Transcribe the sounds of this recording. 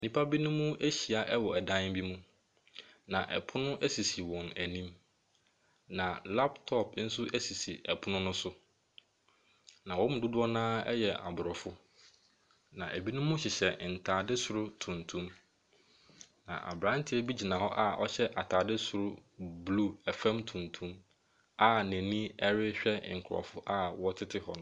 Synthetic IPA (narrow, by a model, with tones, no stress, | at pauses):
nĩ˦pʰa˦bi˦nʊ̃˦mũ˦ʔe˦ɕi˨a˨ʔɛ˦wɔ˨ɛ˨dã˦n˦bi˦mũ˦ | nã˨ʔɛ̰˨pʰʊ˦nʊ̃˦ʔæ˦si˨si˨wɔ̃˨næ˨nĩ˦m | nã˨la˦ptʰɔ˦˨p̚n̩˦sʊ˦ʔæ˦si˨si˨ʔɛ˨pʰʊ˦nʊ̃˦nʊ̃˦sʊ˦ | nã˨wɔ̃˦m˨dʊ˦dʊ˦ɔ˦nãː˦ɛ̰˦jɛ˨ʔa̰˨bʊ˨ɾɔ˨fʊ˦ | nã˨ʔæ˨bi˦nʊ̃˦mʊ̃˦ɕɪ˨ɕɛ˨n̩˨tʰaː˨dɪ˦sʊ˨ɾʊ˦tʰũ˨ntʰũ˦m | nã̰˨ʔa̰˨bɾã˨˦n˦tʰɪ˦ɛ˦bi˦d͡ʑi˨nã˨hɔ˦ʔa˦ʔɔ˦ɕɛ˦ʔa˨tʰaː˨dɪ˦sʊ˨ɾʊ˦blu˦ɛ˨fæ̃˦mtʰũ˨ntʰũ˦m | a˦næ̃˨nĩ˦ɛ˦ɾɪ˦ɕᶣɛ˦˨ŋ̩˨kʰʊ˨ɔ̰˨fʊ˦ʔa˦˨wɔ˦tʰɪ˦tʰɪ˦hɔ˦nʊ̃˦